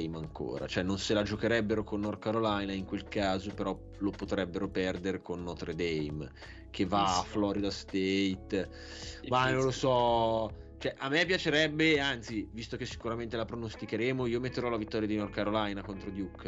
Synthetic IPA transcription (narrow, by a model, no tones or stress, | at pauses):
jmaŋko̰ːɾa̰t͡ʃoɛnːonselad͡ʒokeɾɛbːeɾokonːɔrkaɾolajnaiŋkwelkaːzopeɾɔ | lopot̪ɾɛbːeɾopɛrd̪eɾekonːɔt̪ɾed̪ɛjm | kʰevːaaflɔɾid̪ast̪ejt̪ | manõnlosɔ | t͡ʃoɛʔamːɛpːjat͡ʃeɾɛbːeant̪sivist̪ok̟esːi̥kuɾament̪elapɾonost̪ikeɾeːmoiːomet̪ːeɾɔlavit̪ːɔːɾjad̪inɔrkaɾolajnakont̪ɾod̪jukː